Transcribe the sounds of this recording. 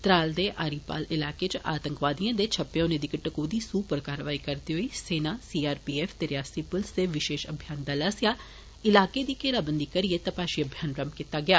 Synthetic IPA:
t̪ɾaːld̪eːʔaːɾiːpa̰ːlɪlaːkeːt͡ʃəʔaːt̪əŋkʋaːd̪ijãːd̪eːt͡ʃʰəpːeõːneːd̪ikəʈəkuːd̪iːsuːpəɾkaːɾəʋaːiːkəɾd̪iːɦoiːseːnaːsiːaːɾpiːɛːfʰt̪eɾjaːsipəlseʋɪʃeːʃə̰bʱjaːnd̪aːlaːsɪjaː | ɪlaːkeːd̪iːkeːlaːbənd̪iːkəɾieːt̪əpaːʃiːəbʱjaːnɾəmkɪt̪ːaːɡɪjaː

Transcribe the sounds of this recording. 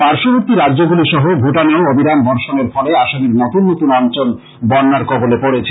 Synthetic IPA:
paɾʃoboɾt̪iɾaɾːd͡ʑoɡuliʃɔɦobʱoʈaneoobʱiɾanbɔɾʃoneɾfɔleaʃoniɾnot̪unːot̪unɔnt͡ɕol | bɔnːaɾkɔbolepoɽet͡ɕʰe

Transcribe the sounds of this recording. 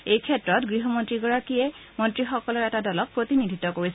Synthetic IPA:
ejkʰɛtɹɔtɡɹiɦɔmontɹiɡɔɹakiɛmɔntɹixɔkɔlɔɹɛtadɔlɔk̚pːɹotinidʱitɔkoɹisɛ

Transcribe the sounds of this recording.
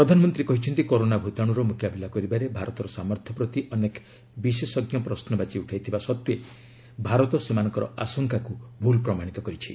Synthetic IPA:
ppɾɔd̪ʱanɔmɔnt̪ɾikɔɦit͡ʃʰɔnt̪ikoɾonabʱut̪aɽ̃uɾɔmukjabilakɔɾibaɾebʱaɾɔt̪ɔɾɔsamɔɾt̪ʰɔpɾɔt̪iʔɔnek | bisesɔɡjɔpɾɔsnɔbat͡ʃiuʈʰajt̪ʰibasɔt̪je | bʱaɾɔt̪ɔsemanɔŋkɔɾɔʔasɔŋkakubʱulpɾɔmaɽ̃it̪ɔkɔɾit͡ʃʰḭ

